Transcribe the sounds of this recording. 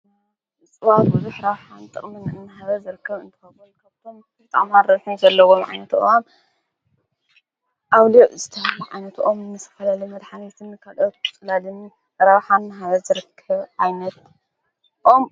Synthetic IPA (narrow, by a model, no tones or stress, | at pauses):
t͡sʼɨβafbɨzuħɾaβħant̪ʼɨ̰χʼmɨnɨnːɨɦaβɐzɨɾɨkʰːɐβɨ̰nt̪ʰɨ̥xɐbulkʰaβt̪ʰo̞m | bbɨt̪ʼa̰ʕmanɾɐzħunzɐlːɐwomʕa̰jnɐt̪uʔʔom | ʔaβloʔzɨt̪ʰɐhɐluʕa̰jnɐt̪ʰʔomnːɨsʰɐfɐlalimɐd̪ħanet̪ʰɨnkʰalʔot̪t͡sʼɨlalɨn | ɾaβħannːɨɦaβɐzɨɾɨkʰːɐβʕajnɐt̪ | ʔo̞m